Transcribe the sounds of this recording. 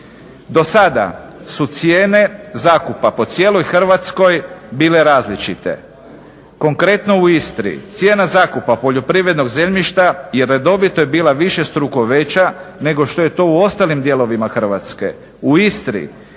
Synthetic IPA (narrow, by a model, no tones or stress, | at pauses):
d̪o̞sad̪a̰sut̪sjeːne̞zaːkupapo̞t̪sje̞ːlo̞jxr̩ʋat̪sko̞jbiːle̞ɾaːzlit͡ʃit̪ḛ | ko̞ŋkɾe̞t̪no̞uist̪ɾḭt̪sje̞ːnazaːkupapo̞ʎo̞pɾiʋɾe̞d̪no̞ɡze̞ʎmiʃt̪ajeɾːed̪o̞ʋit̪ojebiːlaʋiʃe̞st̪ɾukoʋet͡ɕane̞ɡo̞ʃt̪o̞je̞t̪o̞uo̞st̪alimd̪je̞lo̞ʋimaxr̩ʋat̪ske̞̰ | uist̪ɾḭ